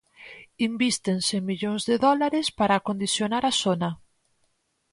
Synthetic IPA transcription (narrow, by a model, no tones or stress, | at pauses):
imbist̪ensemiʎoŋzðeðɔlaɾespaɾaːkond̪iθjonaɾasonɐ